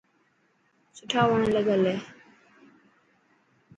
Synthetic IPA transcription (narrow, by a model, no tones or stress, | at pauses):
sʊʈʰaːʋəɳ̃ləɡəleː